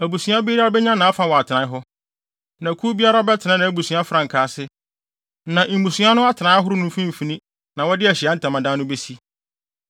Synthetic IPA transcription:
æ˨bu˨sũ˨˦ã˦bi˦ɾa˦ɾa˦bɛ˦ɲã˦nã˨a˦fa˨wɔ˨a˨tʰɪ˨nã˨˦ɦɔ˦ | nã˨kʰu˦bi˦a˦ɾa˦ɔ˦bɛ˦tʰɪ˨nã˦nã˨æ˨bu˨sũ˨˦a˦fɾã˨ŋ̩˨kʰaː˨˦sɪ˦ | nã˨ʔ̩˨bũ˨su˦a˦nʊ̃˦a˦tʰɪ˨nã˨˦ɦʊ˦ɾʊ˦nʊ̃˦fĩ˦m̩˨fi˦nĩ˦ | nã˨wɔ˦dɪ˦æ˨ɕɪ˨a˦n̩˦tʰã˨mã˨dã˦nːʊ̃˦be˦si˦

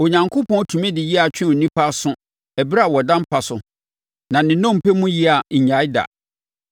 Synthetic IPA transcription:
o˨ɲã˨ŋkʰo˦pʰɔ̃˦n˦tʰũ˨mɛ̃˦dɪ˨ji˦a˨t͡ɕᶣɪ̃˦o˨nĩ˦pʰa˦sʊ̃˦ | ɛ˨bɾa˨wɔ˨dã˦m˦pʰa˨sʊ˨ | nã˨nɪ̃˨nɔ̃˦˨m̩˨pʰɛ˦mũ˦ji˦a˨ɲ̩˨ɲã˨˦jda̰˨

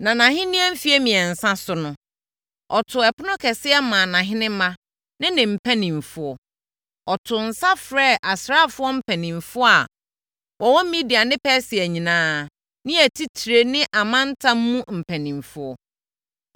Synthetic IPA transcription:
nã˨nã˨ɦɪ̃˦nĩ˦æ˦m̩˦fi˦e˦mĩ˨ɛ˨n̩˨sã˦sʊ˨nʊ̃˦ | ɔ˨tʰʊ˨ɛ˨pʊ˦nʊ̃˦kʰɛ˨sɪ˦ɛ˦mã˨nã˨ɦɪ̃˦nɪ̃˦mã˦ | nɪ̃˦nɪ̃˨m̩˨pʰæ˦nĩ˨m˨fʊ˦ɔ˨ | ɔ˨tʰʊ˨n̩˨sa˦fɾɛː˦˨ʔa˨sɾa˦˨fʊ˦ɔ˦m̩˦pʰæ˨nĩ˨m˨fʊ˦a˨ | wɔ˨wɔ̃˦m̩˦mĩ˦di˨a˨nɪ̃˦pɛ˦sɪ˨æ˨ɲĩ˨nãː˦˨ | nɪ̃˦æ˨tʰi˦tʰɾe˦nɪ̃˦ʔa˨mã˦n̩˦tʰã˦m̩ː˦ũ˦m̩˨pʰæ˨nĩ˨m˨fʊ˦ɔ˦

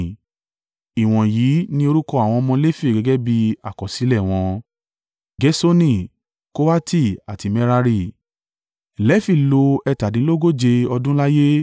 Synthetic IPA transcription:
i˨w̃ɔ̃˨jiː˨˦nĩ˦o˧ɾu˦kɔ˦˧a˨w̃ɔ̃˧mɔ̃˧˦le˦fi˦˨ɡɛ˨˦ɡɛ˦bi˧a˨kɔ˨si˨˦lɛ˦˨w̃ɔ̃˧ | ɡɛ˨˦so˦nĩ˦˨ | ko˦wa˦ti˦˨a˨ti˨˦mɛ˧ɾa˧ɾi˧˨ | lɛ˦fi˦˨lo˧ɛ˧ta˨dĩ˨˦lo˦ɡo˦˨d͡ʒe˧ɔ˧dũ˦la˦je˦

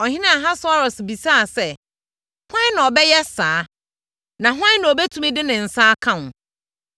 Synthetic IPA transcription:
ɔ˨hɪ̃˦nɪ̃˦a˨ɦã˦sɔ˦ɾɔ˨sbi˨sa˦a˨sɛ˦ | hã˦nã˨ɔ˨bɛ˦jɛ˦saː˨˦ | nã˨ɦã˦nã˨ɔ˨be˦tʰũ˦mĩ˦dɪ˦nɪ̃˨n̩˨sa˦kʰã˦nʊ̃˨

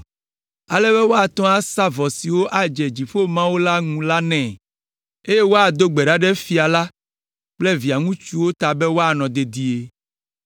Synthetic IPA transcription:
a˨lɛ˦βɛ˦wo˦a˨t̪ɔ̃˦a˦sa˦vɔ˨si˨wo˦ʔa˨d͡ʒɛ˨d͡ʑi˨fo˦mã˦wo˦la˦ŋũ˦la˦nɛ̃˨ | e˦je˦wo˦a˨d̪o˦ɡ͡be˨ɖa˦ɖɛ˦fi˨a˨la˦ | k͡ple˦vi˨a˨ŋũ˦t͡ʃu˦wo˦t̪a˨bɛ˦wo˦a˨nɔ̃˨d̪e˨d̪i˦e˨

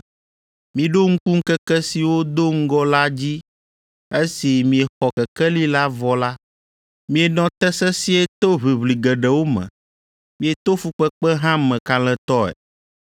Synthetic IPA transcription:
mĩ˨ɖo˦ŋ̩˦ku˦ŋ̩˦kɛ˦kɛ˦si˨wo˦d̪o˦ŋ̩˦ɡɔ˦la˦d͡ʑi˦ | e˦si˨mĩ˨e˨xɔ˨kɛ˨kɛ˦li˦la˦vɔ˨la˦ | mĩ˨e˨nɔ̃˨t̪ɛ˦sɛ˦si˦ɛ˦t̪o˦βi˨βli˨ɡɛ˨ɖɛ˨wo˦mɛ̰̃˨ | mĩ˨e˨t̪o˦fu˦k͡pɛ˦k͡pɛ˦ɦã˦mɛ̃˨ka˨lɛ̃˨t̪ɔ˦ɛ̰˨

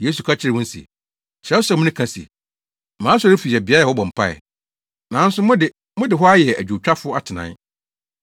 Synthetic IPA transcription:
je˦s̬u˨kʰa˦t͡ɕʰɪ˦ɾɪ˨wʊ̃˦n̩˦sḭ˨ | t͡ɕʰɪ˨ɾɛ˦sɛ˦˨mʊ̃˦nɪ̃˦kʰã˦sḭ˨ | mãː˨˦sɔ˦ɾʊ˦fi˨i˨ɛ˨bi˨˦a˦ja˨hɔ˦bɔ̃˨m̩˨pʰa˦ɛ̰˨ | nã˨˦n̩˦sʊ˦mʊ̃˦dɪ˨ | mʊ̃˦dɪ˨ɦɔ˦a˦jɛ˨æ̰˨d͡ʑᶣu˨t͡ɕᶣa˦fʊ˦a˦˨tʰɪ˨nã̰˨n

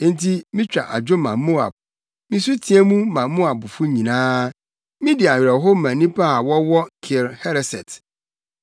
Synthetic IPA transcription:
nti˦mĩ˦t͡ɕᶣa̰˨ʔa˨d͡ʑᶣo˦mã˨mo˦a̰˨b̥̚ | mĩ˦s̬u˦tʰĩ˨ɛ˦mũ˦mã˨˦mo˦a˨bʊ˨fʊ˦ɲĩ˨nãː˦ | mĩ˦dɪ˨a˨ɥᶣɾɛ˨ɦo˦mã˨nĩ˦pʰa˦˨wɔ˦wɔ˦kʰɪ˨lhɛ˦ɾɛ˨sɛ̰˨t

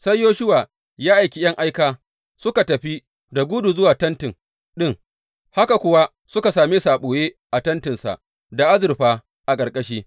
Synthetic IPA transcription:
sɐ˦jːoː˦ʃʊ˦waː˨ | jaː˦ʔa˨jkʲi˦jɐ˦ŋʔa˦jkaː˨ | sʊ˦ka˨tɐ˨ɸi˦ | da˨ɡʷʊ˦du˨zʊ˦waː˨tɐ˦ntɪ˨ŋ | ɗɪ˦ŋ | ha˦ka˨kʷʊ˦wa˦ | sʊ˦ka˨saː˨me˦saː˨ɓoː˨jeː˦ | ʔa˨tɐ˦ntɪ˨nsa̰˨ʔ | da˨ʔa˦zɪ˨rɸaː˨ | ʔa˨kʼɐ˨rkʼɐ˦ʃiː˦

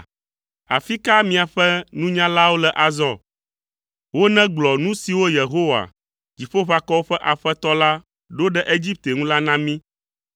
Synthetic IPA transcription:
a˨fi˦ka˦mĩ˨a˨ɸɛ˦nũ˦ɲã˦la˦wo˦lɛ˨ʔa˨zɔ˦ | wo˦nɛ̃˦ɡ͡blɔ˨nũ˦si˨wo˦je˨ɦo˦wa̰˨ | d͡ʑi˨ɸo˦ɸa˦kɔ˦wo˦ɸɛ˦ʔa˨ɸɛ˦t̪ɔ˦la˦ | ɖo˦ɖɛ˦ʔe˦d͡ʑi˦p̚t̪e˨ŋũ˦la˦nã˦mĩ˦

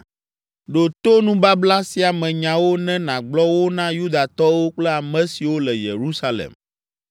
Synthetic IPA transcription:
ɖo˨t̪o˦nũ˦ba˦bla˦si˦a˨mɛ̃˨ɲã˨wo˦nɛ̃˦nã˨ɡ͡blɔ˦wo˦nã˦ju˦d̪a˨t̪ɔ˦wo˦k͡plɛ˦a˨mɛ̃˦si˨wo˦lɛ˨jḛ˨ɾu˦sa˦lɛ̰˨m

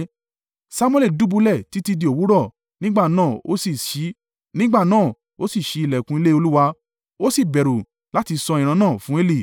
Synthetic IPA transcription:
sa˧mw̃e˦˨le˦˨du˦bu˧lɛ˦˨ti˦ti˧di˧o˨wu˨˦ɾɔ˦˨ | nĩ˦ɡ͡ba˦˨nãː˦˨o̰˨˦si˦˨ʃi˨˦ | nĩ˦ɡ͡ba˦˨nãː˦˨ | o˦si˦˨ʃi˨˦i˧lɛ˨kũ˧i˧le˦o˧lu˦wa˧ | o˦si˦˨bɛ˨ɾu˨ | la˦ti˧sɔ˧ĩ˨ɾ̃ã˧˦nãː˦˨fũ˨˦e˦li˦˨

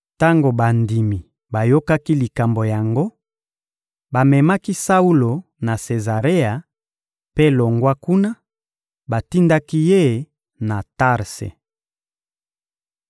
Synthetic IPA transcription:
ta˦ŋɡo˨ba˨ndi˨mi˨ | ba˨jo˦ka˦ki˦li˨ka˨mbo˨ja˨ŋɡo˦ | ba˨mɛ˨ma˦ki˦sa˦u˦lo˨ | na˨se˨za˨ʁe˦a˨ | pe˦lo˨ŋɡwa˦ku˦na˦ | ba˨ti˦nda˦ki˦je˦˨ | na˨ta˦˨ʁsḛ˨

